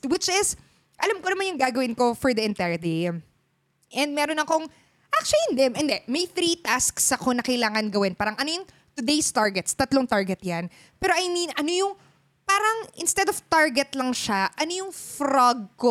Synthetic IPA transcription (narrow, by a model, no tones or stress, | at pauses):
wɪt͡ʃɪs | ʔɐlamkonɐmanjʊŋɡaːɡɐwɪnko̞fɔɹd̪ɐʔɪ̃nt̪ajɐd̪im | ʔɛnd̪̚mɛːɾonɐkoŋ | ʔak̚t͡ʃʊʊlɪnd̪ɛmʔɪnd̪ɛmɐjθɾit̪asksɐkonɐkɐjlaːŋɐnɡɐwɪnpaːɾɐŋʔɐnojʊŋ | t̪ʊd̪ejst̪aɹɡɛt̪st̪ɐt̪loŋt̪aɹɡɛt̪̚jan | pɛːɾoʔɐjninʔɐno̞jʊŋ | paːɾɐŋʔɪ̰nst̪ɛd̪oft̪aɹɡɛt̪lɐŋʃaʔɐnojʊŋfɾaɡ̚ko